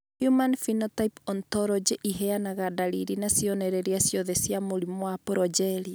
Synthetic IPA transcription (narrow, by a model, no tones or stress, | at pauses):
hjumanfinɔtaipɔntɔɾɔd͡ʒeʔiɦeanaɣadaliɾinasjɔnɛɾɛɾiasjɔðɛsjamoɾimoapoɾɔd͡ʒɛɾia